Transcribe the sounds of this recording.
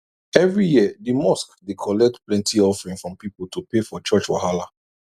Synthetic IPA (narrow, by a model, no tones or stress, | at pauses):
ɛvɹijiədimɔskdikʰɔlɛk̚tplɛ̃ntʰiɔfɹĩnfɹɔ̃mpipolˠtupefɔt͡ʃɔt͡ʃwa̰hala